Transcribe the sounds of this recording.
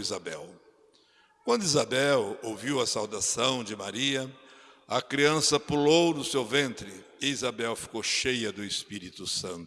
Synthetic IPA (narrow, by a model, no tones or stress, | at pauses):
izabɛw | kwɐ̃nd̪ʊizabɛwowviwɐsawd̪asɐ̃w̃d͡ʒɪmaɾiɐ | ɐkɾiɐ̃sɐpulownʊsewvẽnt̪ɾɪ | ɪizabɛwfi̥kowʃejɐd̪ʊɪspiɾit̪ʊsɐ̃nt̪ʊ